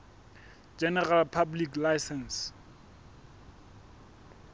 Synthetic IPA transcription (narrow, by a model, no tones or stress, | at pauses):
d͡ʒɛnɛralpʰabliklajsɛns